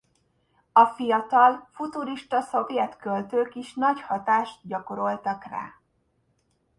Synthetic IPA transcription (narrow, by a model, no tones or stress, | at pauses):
ɒfijɒt̪ɒlfut̪uɾiʃt̪ɒso̞vjɛt̪kølt̪øːkiʃnɒɟhɒt̪aːʃt̪̚ɟɒko̞ɾo̞lt̪ɒkra̰ː